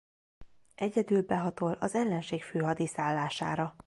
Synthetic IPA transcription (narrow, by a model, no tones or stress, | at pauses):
ʔɛɟɛd̪ylbɛɦɒt̪o̞lɒzɛlːɛnʃeːkføːɦɒd̪isaːlːaːʃa̰ːɾɒ